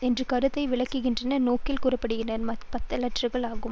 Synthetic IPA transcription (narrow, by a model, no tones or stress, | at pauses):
ɛndrɯkɐɾɯt̪ːɐɪʋɪɭɐkːɯɣɪndrɐnɐnoːkɪlkuːrɐpːɐɽɯɣɪnɐɾmɐpɐt̪ːɐlɐʈrɯɣɐɭaːɣɯm